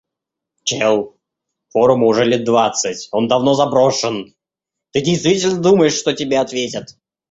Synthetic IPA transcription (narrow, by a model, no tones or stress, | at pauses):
t͡ɕelˠ | fo̞ɾʊmʊʐɛlʲɛt̪̚d̪vat̪sɨtʲo̞nd̪ɐvno̞zɐbɾo̞ʂən | t̪ɨdʲɪjst̪vʲitʲɪlʲnəd̪uməjɪʂʂt̪otʲɪbʲeɐt̪vʲetʲət̪